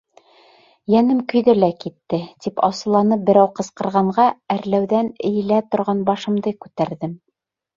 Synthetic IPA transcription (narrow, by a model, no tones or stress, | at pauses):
jænɘmkɵ̆jðɘlækit̪ːɘt̪ipʰɑ̰sɤ̆lˠɑnɤp̚bɘ̆ɾæwqɤ̆sqɤ̆ɾʁɑɴɢɑæɾlæwðænɘ̆jɘ̆læt̪ŏɾʁɑnbɑʃɤ̆md̪ɤkʉt̪æɾðɘm